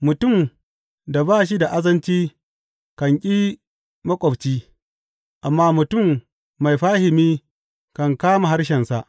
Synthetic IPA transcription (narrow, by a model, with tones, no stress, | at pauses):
mʊ˨tʊ˦˨m | da˨baː˦˨ʃ̬i˦da˨ʔa˦zɐ˦nt͡ʃiː˦ | kɐ˨ŋkʲʼiː˦ | mɐ˦kʷʼɔ˨bt͡ʃiː˦ | ʔa˨mːaː˦mʊ˨tʊ˦˨mː | a˨jɸaː˦hɪ˨miː˦ | kɐ˨ŋkaː˦ma˨ɦa˦rʃ̬ɛ˨nsa˦˨ʔ